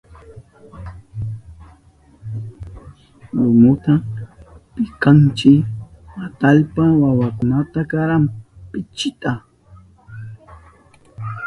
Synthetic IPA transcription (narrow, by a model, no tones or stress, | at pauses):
ɾʊmʊt̪a | pɪkant͡ʃɪat̪aʎpawawakʊnat̪akaɾampɪt͡ʃɪt̪a